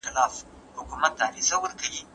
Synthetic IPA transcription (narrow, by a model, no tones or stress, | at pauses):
ɪlaːf | hʊkumɐt̪̚ːaːɾisɐwʊɾkɐji